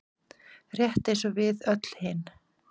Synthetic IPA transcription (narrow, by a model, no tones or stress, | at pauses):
rjɛht̪ejnsɔvɪðœt̪l̥hɪn